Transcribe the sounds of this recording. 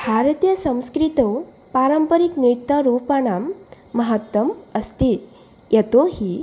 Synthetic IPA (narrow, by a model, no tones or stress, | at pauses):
bʱaɾt̪ijəsə̃w̃skɾit̪o | paɾəmpəɾiknɾit̪ːəɾupaɳ̃amː | əɦət̪ːəməst̪iː | jət̪oɦiː